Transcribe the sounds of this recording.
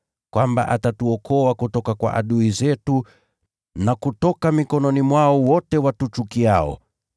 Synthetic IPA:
kwamba̰ʔatatuɔkʰɔakutɔkakwa̰ʔa̰ɗuizɛtu | nakutɔkamikɔnɔnimwaɔwɔtɛwatut͡ʃukiaɔ̰

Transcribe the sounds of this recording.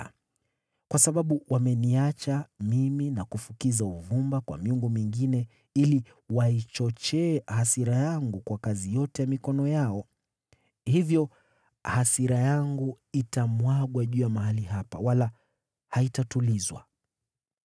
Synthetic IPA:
kwasaɓaɓuwʔamɛniat͡ʃamiminakufukizauvumbakwa̰miuŋɡumiŋɡinɛ | ili | wait͡ʃɔt͡ʃɛːhasiɾajaŋɡukwakazijɔtɛjamikɔnɔjaɔ | hivjɔ | hasiɾajaŋɡu | itamwaɠwaʄujamaɦalihapawala | haitatulizwa̰

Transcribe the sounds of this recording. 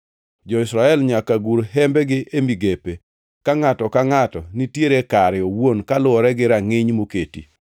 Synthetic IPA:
d͡ʒɔɪsɾaɛlɲakaɡuɾɦɛmbɛɡɪʔemiɡepe | kaŋatɔkaŋatɔnitjeɾekaɾɪowonkalʊɔɾɛɡɪɾaŋɪɲmoketḭ

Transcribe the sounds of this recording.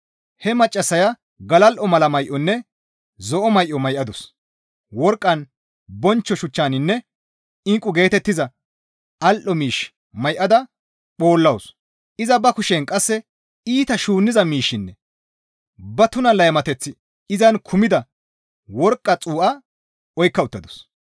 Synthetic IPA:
hɛmɐt͡ʃʼːɐsːɐjɐ | ɡɐlɐlʔɔmɐlɐmɐjʔɔnːɛ | zɔʔɔmɐjʔɔmɐjʔɐd̪ʊs | wɔɾkʼːɐn | bɔnt͡ʃːɔʃʊt͡ʃːaːnɪnːɛ | ɪŋkʼːʊɡe̞ːt̪ɛt̪ːɪzɐ | ɐlʔɔmiːʃ | mɐjʔɐd̪ɐ | ɓo̞ːlːɐws | ʔɪzɐbɐkʊʃeːnkʼɐsːɛ | iːt̪ɐʃuːnːɪzɐmiːʃːɪnːɛ | bɐt̪ʊnɐlɐjmɐt̪ɛt͡sːɪ | ɪzɐnkʰʊmɪd̪ɐ | wɔɾkʼːɐt͡sʼuːʔɐ | ɔjkːɐʊt̪ːɐd̪ɔ̥s

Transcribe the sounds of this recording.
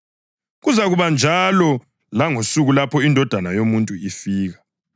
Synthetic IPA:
ɣuzaɣuβand͡ʒʱalɔ | laŋosuɣulapʰɔindʱɔd̥ʱanajomuntʼuifiːɣa

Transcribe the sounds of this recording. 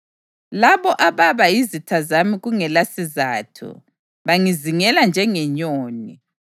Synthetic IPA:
laβɔʔaβaβajizitʰazamiɣuŋɛlasizaːtʰṵ | βaŋiziŋɛland͡ʒʱɛŋɛɲoːni

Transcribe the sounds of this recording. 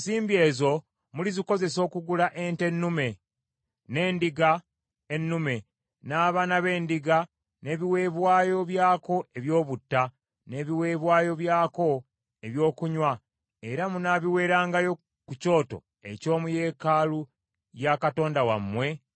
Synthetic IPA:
siːmbie̞ːzo̞ | muliziko̞ze̞so̞ːkuɡulaʔe̞ːnte̞nːume̞ | ne̞ːndiɡa | enːume̞ | naːβaːnaβe̞ːndiɡa | ne̞ːβiwe̞ːβwaːjo̞βjaːko̞eβjo̞ːβutːa | ne̞ːβiwe̞ːβwaːjo̞βjaːko̞ | e̞βjo̞ːkuɲwa | eɾamunaβiwe̞ːɾaːŋɡajo̞ | kuco̞ːto̞̰ | e̞̰co̞ːmuje̞ːkaːlu | jakato̞ːndawa̰mːwe̞

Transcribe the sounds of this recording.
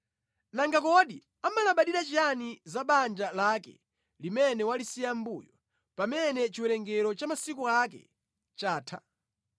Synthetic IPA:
naŋɡakɔɗi | amalaɓaɗiɾat͡ʃianizaɓand͡ʒalakɛ̰ | limɛnɛwalisijambuːjɔ | pamɛnɛt͡ʃiwɛɾɛŋɡɛɾɔt͡ʃamasikuakɛ̰ | t͡ʃaːtʰa̰

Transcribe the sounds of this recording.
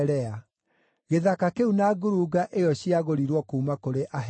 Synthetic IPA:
ɾɛa | ɣeðakakeunaɡoɾuːɡaʔejɔɕiaɣoɾiɾwɔkuːmakoɾeʔaɦ

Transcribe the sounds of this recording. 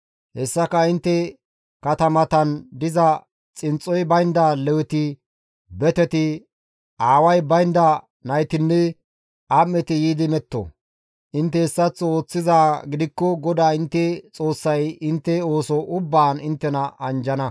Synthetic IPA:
hɛsːɐkɐɪnt̪ːɛ | kɐt̪ɐmɐt̪ɐnd̪ɪzɐ | t͡sʼɪnt͡sʼːɔjbɐjnd̪ɐlɛwɛt̪ɪ | bɛt̪ɛt̪ɪ | ʔaːwɐjbɐjnd̪ɐ | nɐjt̪ɪnːɛ | ʔamːɛt̪ɪjiːd̪ɪmɛt̪ːo̰ | ʔɪnt̪ːɛɛsːɐt͡sːo̞ːt͡sːɪzaːɡɪd̪ɪkːɔɡɔd̪aːɪnt̪ːɛt͡sʼo̞ːsːɐjɪnt̪ːɛo̞ːsɔʔʊbːaːnɪnt̪ːɛnɐʔɐnd͡ʒɐnɐ

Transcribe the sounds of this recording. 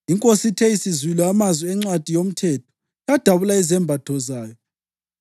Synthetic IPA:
iŋkʼositʰɛisizwilɔamazwɛɛŋ͡ǀwad̥ʱijom̩tʰɛtʰɔ̥ | jad̥ʱaβulaɛzɛmbʱad̥ʰʱɔzaːjɔ

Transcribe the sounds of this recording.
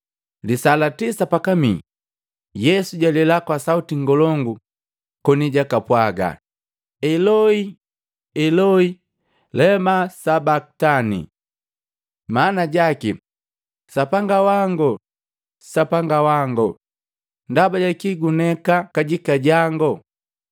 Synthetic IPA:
lisalatisapakamḭ | jɛsuɟalɛlakwasautiŋ̩ɡɔlɔŋɡu | kɔniɟakapwaɡa̰ | ɛlɔi | ɛlɔi | lɛmasabaktanḭ | maːnaɟaki | sapaŋɡawaŋɡɔ | sapaŋɡawaŋɡɔ̰ | ndabaɟakiɡunɛkakaɟikaɟaŋɡɔ

